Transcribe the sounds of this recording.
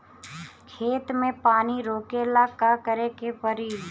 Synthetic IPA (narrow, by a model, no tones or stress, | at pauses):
kʰeːt̪mẽpaːniɾoːkelakakəɾekepəɾiːd̪